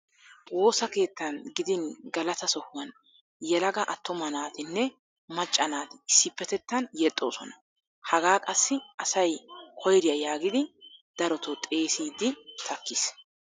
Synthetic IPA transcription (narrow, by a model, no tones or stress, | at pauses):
wo̞ːsɐke̞ːt̪ːɐnɡɪd̪ɪnɡɐlɐt̪ɐsɔhʊwɐn | jɛlɐɡɐʔɐt̪ːɔmɐnaːt̪ɪnːɛ | mɐt͡ʃʼːɐnaːt̪ɪ̥sɪpːɛt̪ɛt̪ːɐnjɛt̪ʼːo̞ːsɔnɐ | hɐɡaːkʼɐsːɪʔɐsɐjkʰɔjɾɪjɐjaːɡɪd̪ɪd̪̥ɐɾɔt̪ɔt̪ʼe̞ːsiːd̪ɪt̪ʰɐkːɪs